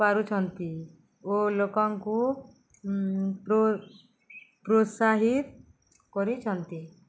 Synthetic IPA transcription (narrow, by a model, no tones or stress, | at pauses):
paɾut͡ʃʰɔnt̪i | olokɔŋku | o | pɾosaɦit̪ | kɔɾit͡ʃʰɔnt̪i